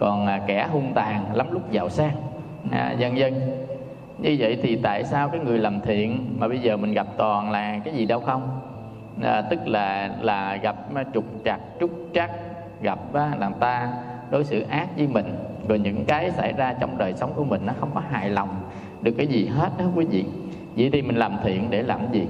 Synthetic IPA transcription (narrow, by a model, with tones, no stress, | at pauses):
kɔ˨˩na˨˩kɛ˧˩ɦu˧ənt̪aː˨˩ŋla˨˦mlʊ˦˥k͡p̚zaː˨˩wsaː˦˥k̚ | aː˧˨˩za˧nzə˧n | ɲɨ˧və̰˧˨jt̪ʰi˨˩t̪a̰ː˧˨jsaː˧wkaː˨˦jŋɨ˨˩əjlə˨˩mt̪ʰḭ˧˨ənmaː˨˩ɓə˧jzəː˨˩mï˨˩ŋ̟ɣa˨˩p̚t̪ɔ˨˩nlaː˨˩kaː˨˦jzi˨˩ɗə˧wxə˧wŋ͡m | aː˨˩t̪ɨ˦˥k̚laː˨˩laː˨˩ɣa˨˩p̚ːt͡ɕʊ˨˩k͡p̚t͡ɕa˨˩k̚t͡ɕʊ˦˥k͡p̚t͡ɕa˦˥k̚ | ɣa˨˩p̚ːlaː˨˩mt̪aː˧ɗo˨˦jsɨ̰˧˨ʔaː˦˥k̚zɨ˨˦mï˨˩ŋ̟zɔ˨˩jɲɨ̰˧˥ŋkaː˨˦jsa̰˧˩jzaː˧t͡ɕɔ˧wŋ͡mɗəː˨˩jsə˨˦wŋ͡mku˧˩əmï˨˩ŋ̟nɔ˨˦xə˧wŋ͡mkɔ˨˦ɦa̰ː˧˨jlɔ˨˩wŋ͡m | ɗɨ˨˩əkːaː˨˦jzi˨˩ɦe˦˥t̚ɗŋ͡mkwi˨˦vḭ˧˨ | vḭ˧˨jt̪ʰi˨˩mï˨˩ŋ̟laː˨˩mt̪ʰḭ˧˨ənɗe˧˩laː˨˩mzi˨˩